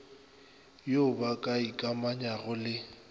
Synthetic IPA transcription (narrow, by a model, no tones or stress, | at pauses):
jobakʼaikʼamaɲaɣʊlɪ